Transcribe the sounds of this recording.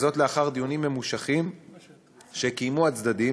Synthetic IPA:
zo̞tleaχaʁd̪ijunimːe̞muʃaχim | ʃe̞kijmuat͡sd̪adi

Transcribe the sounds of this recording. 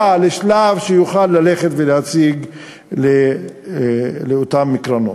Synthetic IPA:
aleʃlavʃejuχalːale̞χet̪veleat͡siɡ | le | leot̪amːikʁano̰

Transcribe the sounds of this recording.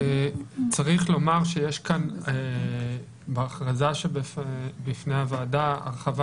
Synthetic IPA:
t͡saʁiχlo̞maʁʃejeʃkane | beːχʁazaʃebbifne̞havaːdaa̰ʁχava

